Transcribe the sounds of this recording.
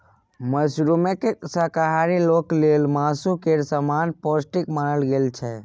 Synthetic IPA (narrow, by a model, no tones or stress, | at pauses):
məsɾumekeksakaɦaɾiloːkleːlmaːsukeɾsəmaːnpɔsʈikmaːnəlɡeːlt͡ʃʰɛ